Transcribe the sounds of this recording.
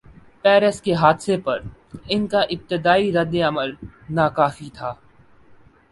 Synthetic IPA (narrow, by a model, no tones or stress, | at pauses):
pɛːɾəskeɦaːd̪sepɐɾɪnkaʔɪb̚t̪ɪd̪aːiɾɐd̪ːeɐməlnaːkaːfit̪ʰaː